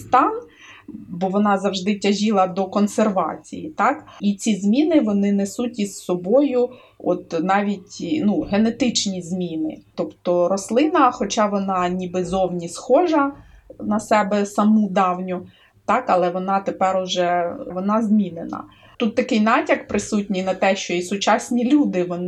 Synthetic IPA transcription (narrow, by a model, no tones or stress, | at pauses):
st̪ɑn | bɔʋɔnɑzɐwʐd̪ɪtʲɐʒʲilˠɐd̪ɔkɔnserʋɑ̰t͡sʲḭjit̪ɑkit͡sʲizʲmʲinɪʋɔnɪnesutʲizsɔbɔjʊ | ɔt̪nɑʋʲitʲnuɦenet̪ɪt͡ʃnʲizʲmʲinɪ̰t̪ɔpt̪ɔɾɔslˠɪnɐxɔt͡ʃɑʋɔnɑnʲibɪzɔwnʲisxɔʒɐnɐsɛbɛsɐmud̪ɑwnʲʊ | t̪ɑkɐlˠɛʋɔnɑt̪epɛɾɔʒɛʋɔnɑzʲmʲinɪnɐ̰ | t̪ut̪ːɐkɪjnɑtʲɐkpɾɪsutʲnʲijnɐt̪ɛʃt͡ʃɔisʊt͡ʃɑsʲnʲilʲud̪ɪʋɔnɪ